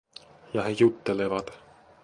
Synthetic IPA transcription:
jɑhe̞jut̪ːe̞levɑt̪

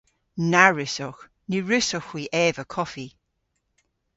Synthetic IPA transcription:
naɹɪsɔx | niɹɪsɔxwiːʔɛːvəkʰɔfi

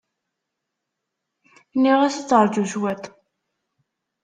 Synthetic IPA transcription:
nːiʁæst͡sːɾˤd͡ʒuzwæt̪

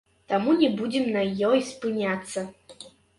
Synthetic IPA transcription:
t̪amunʲɛbud͡zʲɛmnɐjːɔispɨnʲat̪sːɐ

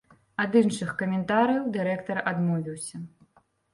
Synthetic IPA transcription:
ad̪ɨnʂɨxkɐmʲɛnt̪aɾɨjɐwd̪ɨɾɛkt̪ɐrad̪mɔvʲiwsʲɐ

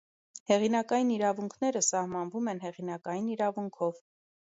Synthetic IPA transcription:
hɛʁinɑkɑjiniɾɑvuŋkʰnɛɾəsɑhmɑnvumɛnɦɛʁinɑkɑjiniɾɑvuŋkʰɔv

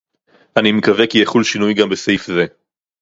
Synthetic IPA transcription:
animekavekijeχulʃinujɡambesejfze

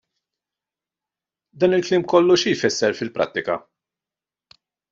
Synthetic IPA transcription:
d̪ɐːnɪlklɪːmkɔlːuʃijfɛsːɛɾfɪlpɾɐ̰t̪ːɪkɐ̰

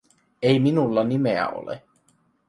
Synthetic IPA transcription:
ejminulːɑnimeæ̰o̰lḛ

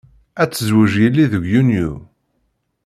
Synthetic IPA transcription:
æt͡sːəzwəʒjəlːiðəɡʷjunju

